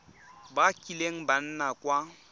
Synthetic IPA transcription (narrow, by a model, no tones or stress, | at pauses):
bakʼileŋ̩ban̩nakʼwa